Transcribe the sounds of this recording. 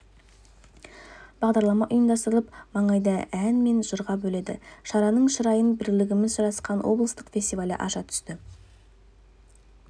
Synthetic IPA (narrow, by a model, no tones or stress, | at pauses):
b̥ɑʁd̪ɑɾlˠɑmɑʔʊjəmd̪ɑst̪əɾəlˠəpmɑɴɑjd̪ɑænme̞nʒəɾʁɑbɵle̞d̪ɪ̰ʃɑɾɑnəɴʃəɾɑjənbɪɾlɪɡʲɪmɪzʒɑɾɑsqɑnwo̰blˠəst̪əqfʲe̞sʲt̪ijvalʲɪ̰ʔɑʃɑt̪ʰʏ̥st̪ɪ